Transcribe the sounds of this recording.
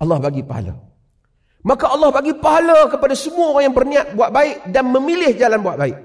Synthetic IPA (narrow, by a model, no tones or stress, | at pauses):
ɑlːɑhbaɡipaɦa̰la̰ | makaɑlːɑhbaɡipaɦaləkəpadasəmuaoɾaŋjaŋbərniat̪̚buat̪̚baɪk̚danməmilɪhd͡ʒalanbuat̪̚baɪk̚